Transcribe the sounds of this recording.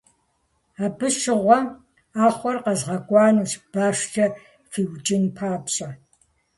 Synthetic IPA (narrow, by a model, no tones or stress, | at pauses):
aːbɨʃɪʁʷɔ | aːχʷɔrqɐzʁɐkʷʼɑːnuːɕb̥aːʂt͡ʃʼɐ | fiwt͡ʃʼɪnpʰaːpɕʼɐ